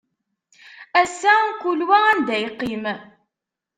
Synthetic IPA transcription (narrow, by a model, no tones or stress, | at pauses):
æsænkulwæænd̪æjqːim